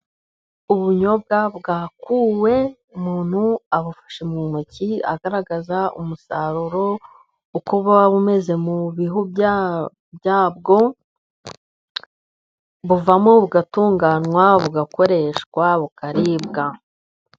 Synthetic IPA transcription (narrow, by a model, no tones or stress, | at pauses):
uβuɲo̞b̚ɡaβɡaːkuːwe̞ | umuːn̥huaβufḁʃemŋumucia̰ɡaɾaɡazaṵmusaɾuɾo̞ | ukuβaβume̞ze̞muβiɦubj | bjaːb̚ɡo̞ | βuvamoβuɡatuːŋɡanŋwaβuɡako̞ɾe̞ʃkwaβukaɾibɡa